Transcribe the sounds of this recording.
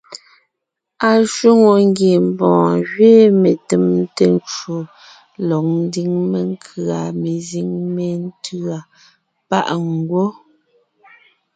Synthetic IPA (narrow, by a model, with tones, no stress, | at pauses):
a˨ʃu˦ŋo˨ŋ˦ɡje˨m̩˨bɔ̃ː˨ɣɥe˦me˨te˨m˦te˦n˦t͡ʃo˨ | lɔ˨k̚n̩˦di˦ŋme˨ŋ˦kʰɰa˨me˨zi˦ŋme˨n˦tʰɰa˨ | pa̰˦ʔŋ˨˦ɡwo˦